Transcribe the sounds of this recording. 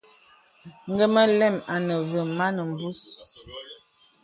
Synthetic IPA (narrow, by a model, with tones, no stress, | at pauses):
ŋ̩˦ɡə˦mə˦lɛ˦˨ma˨nə˨və˨ma˦nə˨m˨bu˦s